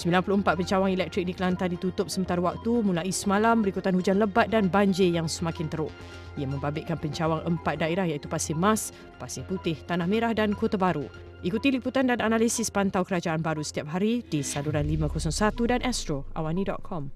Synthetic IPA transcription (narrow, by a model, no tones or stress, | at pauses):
səmbilanpulʊhəmpat̪̚pəɲt͡ʃawaŋilɛk̚t̪ɾik̚dikəlant̪andit̪ut̪ʊp̚səmənt̪aɾəwak̚t̪umulaʔisəmalambəɾikut̪anhud͡ʒanləbat̪̚danbaɲd͡ʒejaŋsəmakɪnt̪əɾʊʔ | iamə̃mbabɪʔkanpəɲt͡ʃawaŋʔəmpat̪̚daeɾahjait̪upasɪmas | pasɪhput̪ɪht̪anahmeɾahdankot̪abaɾu | ʔikut̪iliput̪andananalisɪspant̪awkəɾad͡ʒaanbaɾusə̥t̪iap̚ɦaɾidisaluɾanlimãkosɔŋsat̪udanʔɛst̪ɾoa̰wanĩdɔ̰ʔ̪̚kʰɔm